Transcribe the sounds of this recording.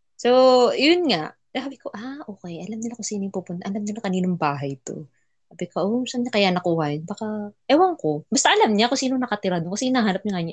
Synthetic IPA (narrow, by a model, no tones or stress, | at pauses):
sojʊnŋaʔ | sabɪkoʔaʔoːkɛjʔɐlamnɪlakosiːnojŋpupʊnt̪ɐʔɐlamnɪlakɐniːnɐŋbaːɦɐjt̪o̞̰ | kaːbɪkɐʔomʊsamɲakɐjanɐkuhɐjɪnbakaʔɛwɐŋko̞bɐst̪ɐʔɐlamɲakosiːnonɐkɐt̪ɪɾad̪oŋkɐsɛʔɪnaːɦaːnɐp̚ɲɐŋɐɲa